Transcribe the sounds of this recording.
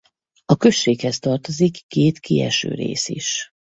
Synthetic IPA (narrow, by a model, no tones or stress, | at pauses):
ɒkø̞ʃːeːkhɛst̪ɒrt̪o̞zikːeːt̪kiɛ̰ʃø̰ːɾḛːsḭʃ